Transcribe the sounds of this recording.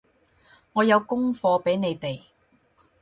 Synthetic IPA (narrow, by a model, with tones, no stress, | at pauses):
ŋɔː˨˧jɐ˨˧wkʊ˥ŋfɔː˧pe˨˥jne˨˧jt̪e˨j